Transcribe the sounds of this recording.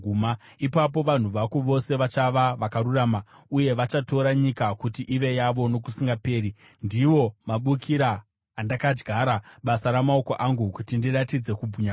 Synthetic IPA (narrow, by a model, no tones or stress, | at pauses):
uma | ipap̬o̞ʋan̤uʋakuʋo̞se̞ʋat͡ʃaʋaʋakaɾuraːma | uje̞ʋat͡ʃato̞ɾaɲikakutiʔiʋe̞jaʋo̞no̞k̬usiŋɡape̞ːɾi | ndiʋo̞maɓukʰiɾaː | ndakad͡ʒɡʱaɾaɓasaɾamao̞ko̞ʔaŋɡukutindiratid͡ze̞kubʱuɲa